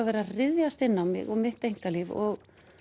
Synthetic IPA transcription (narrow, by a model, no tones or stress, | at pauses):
avɛːɾarɪðjast̪ɪnːawmɪ̰ɣɔmɪht̪ejŋ̥kalɪvɔɣ